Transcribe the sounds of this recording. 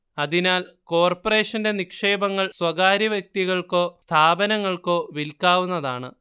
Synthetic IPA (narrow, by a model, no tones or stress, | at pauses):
ɐðinaːlko̞ːrpɐre̞ːʂɐnde̞nikʂe̞ːbɐŋːɐɭswɐɣaːɾɐʋjɐk̚t̪iɣɐɭko̞ːst̪ʰaːbɐnɐŋːɐɭko̞ːʋilkaːʋunːɐðaːɳɨ̰